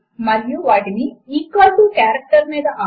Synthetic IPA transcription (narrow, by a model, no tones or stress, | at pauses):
mɐɾijuʋaːʈiniikːaːʈukaːɾɐk̚ʈɐɾmiːd̪ɐʔaː